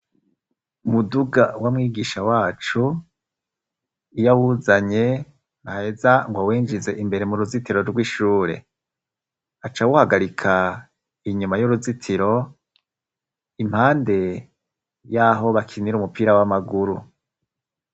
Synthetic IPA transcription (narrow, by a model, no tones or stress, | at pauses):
umuduɡawamŋiːɡiʃawaːt͡ʃu | ijawuzaɲe̞ | nahe̞zaŋɡwawiːnd͡ʒize̞ʔimbe̞ɾe̞muɾuzitiɾo̞ɾɡwiʃuːɾe̞̰ | at͡ʃawuhaɡaɾikʰa | iɲumajuɾuzitʰiɾo̞ | im̥haːnde̞ | jaɦo̞βakʰiniɾumupiːɾawamaɡuɾu